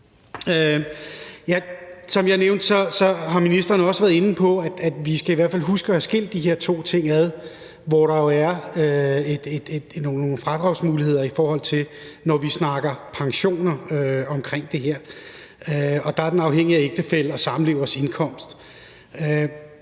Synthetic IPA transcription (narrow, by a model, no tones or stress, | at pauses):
ø | jæsɒ̽mjɑ̈ɪneʊnd̥sɒ̽sɒ̽ɦɑ̈minisd̥ʁɐːnəɒ̽sʋæːɐðˠe̝nn̩pʰɒ̽æd̥æd̥ʋisɡ̥æiʋæɐ̰fælɦusɡ̥ɒhæsɡ̥e̝̰l̰d̥ːiɦe̝ɐ̰t͡sʰo̝̰ːt͡sʰe̝ŋ̰æðˠ | ʋɒɾ̥ɑ̈jo̝æɐøed̥ed̥ed̥nono̝ːn̩fʁɑ̈d̥ʁɑ̈ʊsmuːlihe̝ð̰ˠɐifɒːhɒ̽l̰t͡sʰe̝lnɒʋisnɑ̈ɡ̥ɐpʰɑ̈ŋɕo̝̰ːnɐøɒ̽mkʰʁeŋ̰d̥e̝ɦeɐ̰ | øɒ̽d̥ɑ̈æɐd̥enɑ̈ʊheŋ̰iæeɡ̥d̥əfel̰ɒ̽sɑ̈mm̩le̝ʊ̰ɐse̝nkʰɒ̽m̰sd̥ | ø